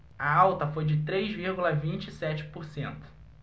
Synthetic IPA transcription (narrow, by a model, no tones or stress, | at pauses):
ɐawt̪ɐfojd͡ʒɪt̪ɾejzviɾɡulɐvĩt͡ʃɪisɛt͡ʃɪ̥poɾsẽnt̪ʊ̥